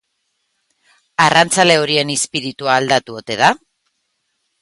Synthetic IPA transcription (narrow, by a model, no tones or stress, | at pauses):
arant͡sale̞o̞ɾie̞nispiɾit̪uaːld̪at̪uo̞t̪e̞ða